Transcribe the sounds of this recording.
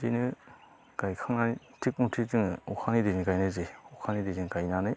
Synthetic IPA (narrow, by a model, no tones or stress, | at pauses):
zinɯ | ɡ̥ajkʰaŋnai | tʰik̚untʰizɯŋukʰanidijnɯɡajnɯzeɔkʰanidiziŋɡajnanɯj